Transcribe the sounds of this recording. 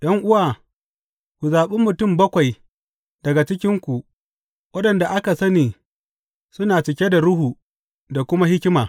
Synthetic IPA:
ɗɐ˦ŋʔʊ˦waː˨ | kʷu˨zaː˨ɓɪ˦mːʊ˨tʊ˦˨mbɐ˦kʷa˨j | dɐ˨ɡa˨t͡ʃɪ˦kʲɪ˦ŋkʷu˨ | wʔɐ˦ɗɐ˨nda˨ʔa˦ka˨sɐ˦niː˨ | sʊ˦naː˨t͡ʃɪ˨kʲe˦da˨ɽʊ˦ɦuː˨ | da˨kʷʊ˦ma˦hɪ˦kʲɪ˦maː˨

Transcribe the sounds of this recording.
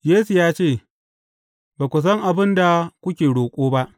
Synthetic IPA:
jeː˦su˨jaː˦t͡ʃeː˦˨ | baː˨kʷʊ˨s̬ɐ˦ŋʔa˨bɪ˦nda˨kʷʊ˦kʲeː˨ɽoː˨kʷʼoː˦ba˦ʔ

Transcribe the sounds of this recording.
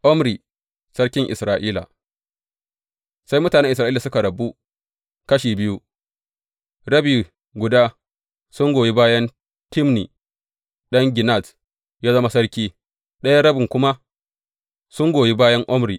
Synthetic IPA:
ʔɔ˦mɾiː˨ | sɐ˦ɽkʲɪ˦ŋʔɪ̰˨sɾaː˨ʔiː˦la̰˨ | sa˦jmʊ˦taː˨nɛ˦ʔɪ˨s̬ɾaː˨i˦la˨sʊ˦ka˨ɽɐ˨bu˦ | kɐ˦ʃiː˨bɪ˦ju˦ | ɽɐ˦biː˨ | ɡʷʊ˨daː˦ | sʊ˦ŋɡʷoː˨ji˦baː˦jɐ˦n | tɪ˦mnḭ˨ | ɗɐ˦ŋɡʲɪ˨na˨t | jaː˦zɐ˦ma˦sɐ˦ɽkʲiː˦ | ɗɐ˦ja˦ɾɐ˦bɪ˨ŋkʷʊ˦ma˦ | sʊ˦ŋɡʷoː˨ji˦baː˦jɐ˦ŋʔɔ˦mɾiː˨ʔ

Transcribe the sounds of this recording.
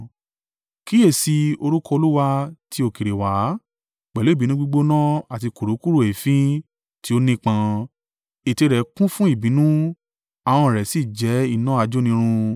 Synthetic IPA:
ki˦e˦˨si˧o˧ɾu˦kɔ˦˧o˧lu˦wa˧ti˧˦o˧˨ki˨ɾe˨wa˨˦ | k͡pɛ˨lo˨˦i˦˨bi˨˦nũ˦ɡ͡bu˧ɡ͡bo˦nã˦a˨ti˧ku˨ɾu˨˦ku˦ɾu˦˨e˨fĩ˦ | ti˦o˦nĩ˦k͡pã˧ | e˨te˧ɾɛ˨˦kũ˦fũ˦i˦˨bĩ˨˦nũ˦ | a˨w̃ɔ̃˧˨ɾɛ˨si˦˨d͡ʒɛ˨˦i˦˨nã˦a˧d͡ʒo˦nĩ˧˦ɾ̃ũ˧

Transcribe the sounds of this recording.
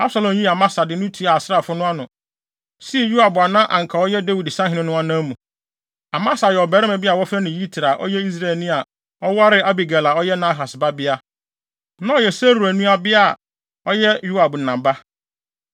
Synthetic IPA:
a˦bsa˨lɔ̃˨mjĩ˦a˨mã˦sa˨dɪ˨nʊ̃˦tʰi˨˦a˨a˨sɪ˦ɾa˨fʊ˦nʊ̃˦a˦nʊ̃˨ | si˦˨ju˦a˨bʊ˨a˨nã˦ʔã˨ŋ̩˨kʰa˨ɔ˦jɛ˦de˦wi˨dɪ˨sã˦ɦɪ̃˨nɪ̃˦nʊ̃˦a˦nãː˦mũ˨ | a˨mã˦sa˨jɛ˨ɔ˨bɛ˨ɾɪ˦mɛ̃˨bɪ˦a˨wɔ˦fɛ˦nɪ̃˨ji˦tʰi˨ɾa˨ʔɔ̰˦jɛ˦i˦s̬ɾa˦˨ɛ˨lnɪ̃˦a˨ | ɔ˦wa˦ɾɪ˦a˦bi˨ɡa˨la˨ɔ˦jɛ˦nã˦ɦa˨sba˦bɪ˦a˦ | nã˦ɔ˨jɛ˨sɛ˦ɾu˨ɾæ˨nũ˦a˨bɪ˦a˦˨ | ɔ˦jɛ˦ju˦a˨bn˨nã˨mba˦

